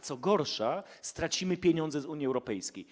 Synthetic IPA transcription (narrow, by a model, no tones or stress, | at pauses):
t̪sɔɡɔɾʂast̪ɾat͡ɕimɘpʲjeɲɔnd̪zɛzuɲjiɛwɾɔpɛjskʲḛj